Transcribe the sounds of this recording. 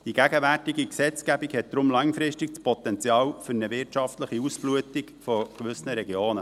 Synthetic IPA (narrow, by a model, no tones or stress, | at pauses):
d̥iɡæɡəʋærtiɡiksɛt͡skæbikhɛt̚d̪̥ɾʊmlɑŋfɾɪʃtikspɔt̪ɛnt͡sjɑːwfʏɾnəʋɪɾtʃɑftləχiusb̥luətikfɔkʋʏsnəɾɛɡioːnə